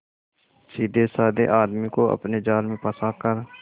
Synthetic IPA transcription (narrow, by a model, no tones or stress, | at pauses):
siːd̪esaːd̪ḛʔaːd̪mikoə̰pned͡ʒaːlmẽpəsakəɾ